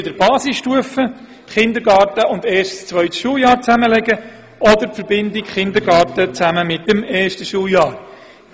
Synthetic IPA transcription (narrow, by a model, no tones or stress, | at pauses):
ɪd̥əɾb̥ɑːsɪsʃtuəfə | t̪χɪnd̪əɾɡɑːrtəʔʊndɛːʃtst͡sʋœɥt̪ʃuːəljɑːɾt͡sæməlɛɡə | ɔd̪əɾpfəɾbɪndɪkχɪndəɾɡɑːtət͡sæməmɪtəmɛːrʃtəʃuːəljɑːɾ